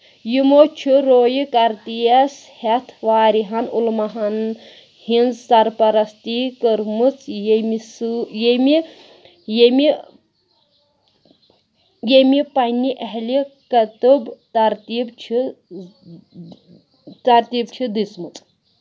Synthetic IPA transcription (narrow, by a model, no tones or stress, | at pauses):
jimot͡ʃʰiɾoːjikɐɾt̪ijɐs | het̪ʰʋaːɾiɦɐnulmɐɦɐn | hind͡zsɐɾpɐɾɐst̪ikəɾmɨt͡sjmisɨjemi | jemi | jemipɐnʲiʔɐɦlikɐt̪ɨbt̪ɐɾt̪iːbt͡ʃʰi | t̪ɐɾt̪iːbt͡ʃʰid̪ismɨt͡sʼ